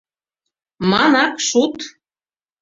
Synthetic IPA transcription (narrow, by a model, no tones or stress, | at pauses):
mɑnɑkʃut̪